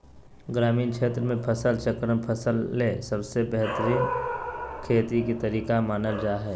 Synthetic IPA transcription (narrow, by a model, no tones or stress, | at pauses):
ɡɾaːmiːnkt͡ʃʰeːt̪ɾəmẽpʰəsəlt͡ʃəkɾəmpʰəsəlːesəbsebɛɦt̪əɾiːn | kʰeːt̪ikit̪əɾiːkamaːnəld͡ʒaːɦɛː